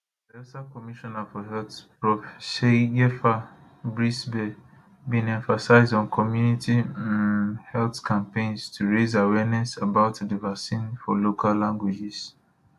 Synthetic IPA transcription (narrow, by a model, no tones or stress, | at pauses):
ɛsakɔmiʃɔnafɔɦɛltpɹɔfsejɛfa | bɹisbɛ | bĩnɛ̃ɱfasaɪzdɔ̃nkʰɔmjunitʰiãnnhɛltkʰãmpẽɪ̃nstʰuɹezawɛnɛsabaʊtdəvaksĩnfɔlokʰalːãŋɡwid͡ʒis